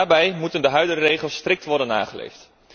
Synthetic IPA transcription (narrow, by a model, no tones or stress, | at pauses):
ɹbɛjmutəndəɦœɥdərərejχəlˠsːtrɪk̚tʋɔɹdənːa̰ːχəlḛjft